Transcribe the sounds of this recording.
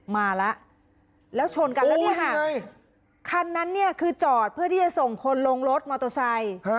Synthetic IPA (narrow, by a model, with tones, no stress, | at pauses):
maː˧la˦˥ʔ | lɛː˦˥wt͡ɕʰo˧nka˧lɛː˦˥ni˥˩ɐkʰa˥˩ | kʰa˧nːa˦˥nːi˥˩ɐkʰɯː˧t͡ɕɔː˨˩t̪̚pʰɯ˥˩ɐt̪iː˥˩t͡ɕa˨˩so˨˩ŋkʰo˧nlo˧ŋlo˦˥t̪̚maː˧t̪o˧sa˧j